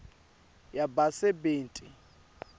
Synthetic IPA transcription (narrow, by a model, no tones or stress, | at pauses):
jabasɛbeːntʼi